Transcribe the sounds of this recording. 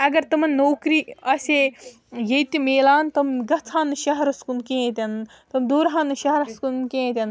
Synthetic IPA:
ɐɡɐɾt̪ɐmɐnːoːkɾiːɐse | jet̪ʲimeːlaːnt̪ɐmɡɐt͡sʰãːnɨʃɐɦɐɾɐskunkẽːẽt̪ʲɐn | t̪ɐmd̪oːɾɦãːnɨʃɐɦɐɾɐskunkẽːt̪ʲɐn

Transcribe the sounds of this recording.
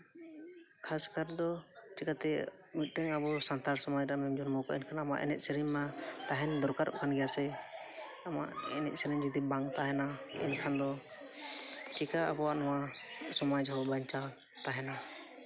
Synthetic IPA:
kʰaskaɾd̪ɔt͡ʃikat̪ɛ | mit̪̚ˀdɛŋabɔsant̪aɾsɔmajɾamɛmd͡ʒɔnmɔkɔʔɛnkʰanama̰ʔɛ̰nɛt̪̚sɛɾiɲmat̪aɦɛnd̪ɔɾkaɾɔ̰ʔkʰanɡɛjasɛ | ama̰ʔɛnɛt̪̚sɛɾɛɲd͡ʒɔd̪ibaŋt̪aɦɛnaɛ̰nkʰand̪ɔ | t͡ʃikaabɔwaʔnɔwasɔmad͡ʒɦɔbaɲt͡ʃa | t̪aɦɛna

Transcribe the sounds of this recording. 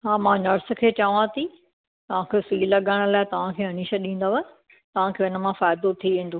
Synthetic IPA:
ɦaːmãːnɐɾskʰeːt͡ɕɐʋãt̪ʰi | t̪ɐʋ̤ãkʰesiːlɐɠaːɪɽ̃ʊ̆laːɪt̪ɐʋ̤ãkʰeːɦɐniːʃəɗĩːn̆d̪aːʋɐ | t̪ɐʋ̤ãkʰeːɪnə̆mãfaːɪd̪ot̪ʰiʋɪ̃n̆d̪ʱo

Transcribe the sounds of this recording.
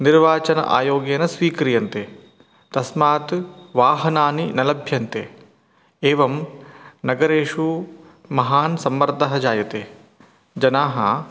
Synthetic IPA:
niɾʋaːt͡ʃɐnɐ̰ʔa̰ːjoːɡeːnɐsʋiːkɾijɐnt̪e | t̪ɐsmaːt̪ʋaːɦɐnaːninɐlɐbʱjɐnt̪eː | eːʋɐmnɐɡɐɾeːʂu | mɐɦaːnsɐmːɐɾd̪ʱɐɦɐd͡ʒaːjɐt̪eː | d͡ʒɐnaːɦɐ̰

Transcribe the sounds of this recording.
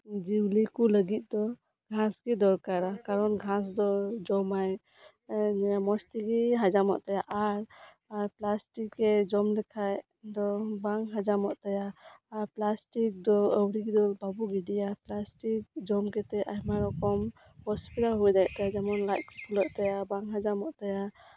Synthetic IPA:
d͡ʒiwlikuləɡit̪̚d̪ɔ | ɡʱãsɡɛd̪ɔɾkaɾakaɾɔnɡʱãsd̪ɔd͡ʒɔmaj | mɔst̪iɡiɦad͡ʒamɔ̰ʔt̪ajaʔaɾ | aɾplasʈikːɛd͡ʒɔmlɛkʰaj | d̪ɔbaŋɦad͡ʒamɔʔt̪ajaːɾplasʈik̚d̪ɔəwɾiɡid̪ɔbabuɡiɖijaplasʈik̚d͡ʒɔmkɛt̪ɛʔajmaɾɔkɔm | hɔspiɾaɦujd̪ajʔ̚t̪ajad͡ʒamɔnlajt̚kɔkʰulɔʔ̚t̪ajabaŋɦad͡ʒamɔʔt̪aja

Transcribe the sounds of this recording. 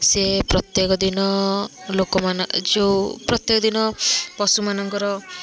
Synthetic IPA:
sepɾɔt̪jekɔd̪inɔlokɔmand͡ʒewpɾɔt̪jekɔd̪inɔbɔsumanɔŋkɔɾɔ

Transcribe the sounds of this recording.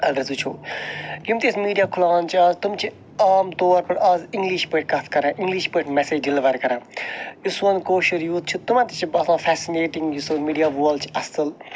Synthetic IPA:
ɐlɖɐɾzut͡ʃʰu | jumt̪ismiːɖijaːkʰʊlaːnt͡ʃʰiaːzt̪umt͡ʃʰi | aːmt̪oːɾpɐɽaːziŋɡliʃpəʈ̚kɐt̪ʰkɐɾãʔiŋɡliʃpəʈmɛseːd͡ʒɖiliʋɐɾkɐɾãjusɐnkoːʃɐɾjuːt̪̚t͡ʃʰut̪umãt̪it͡ʃʰibɐsãːfʰɛsineːʈiŋɡjusuːnmiːɖijaːʋoːlt͡ʃʰi̥ɐst̪ɨl

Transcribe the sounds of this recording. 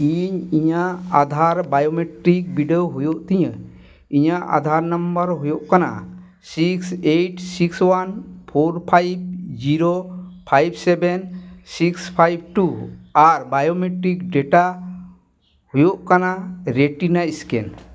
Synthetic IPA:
iɲiɲaʔad̪ʱaɾbajomeʈɾik̚biɖeoɦujoʔt̪iɲə | iɲaʔʔa̰d̪ʱaɾnambəɾɦujoʔkana̰ | sikseʈsikswanpʰoɾpʰajb̚d͡ʒiɾopʰajb̚sɛbɛnsikspʰajb̚ʈuaɾbajomeʈɾikɖɛʈa | hujoʔkanaɾeʈinaiskɛ̰n

